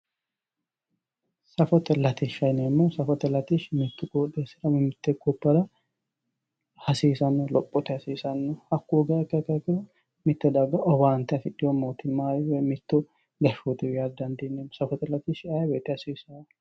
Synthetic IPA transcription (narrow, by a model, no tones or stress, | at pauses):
sɐfɔt̪ɛlɐt̪ɪʃɐjnɛmːɔsɐfɔt̪ɛlɐt̪ɪʃmɪt̪ːʊɡoːdesɪɾɐmɛmɪt̪ːɛɡɔpːɐɾɐ | hɐsiːsɐnːɔlɔpʼːɔt̪ɛhɐsiːsɐnːɔhɐkːuɡɐɛkːɐkːɐkːɪɾɐ | mɪt̪ːɛd̪ɐɡɐʔɔbaːnt̪ɛɐfɪᶑɪjɔmoːt̪ɪnmaːjɪwɛmɪt̪ːʊ | ɡɐʃot̪ɪwjad̪ɐnd̪enːemːɔsɐfɔt̪ɛlɐt̪ɪʃajbet̪ːɛhɐsiːsɐ